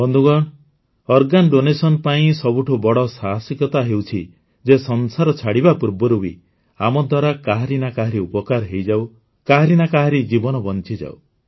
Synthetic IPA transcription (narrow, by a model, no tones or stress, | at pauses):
bɔnd̪ʱuɡɔɽ̃ | ɔɾɡanɖonesɔnpaĩsɔbuʈʰubɔɽɔsaɦasikɔt̪aɦewt͡ʃʰi | d͡ʒesɔnsaɾɔt͡ʃʰaɽibapuɾbɔɾubḭ | amɔd̪ʱwaɾakaɦaɾinakaɦaɾiupɔkaɾɔɦejd͡ʒaw | kaɦaɾinakaɦaɾid͡ʒibɔnɔbɔnt͡ʃid͡ʒa̰w̰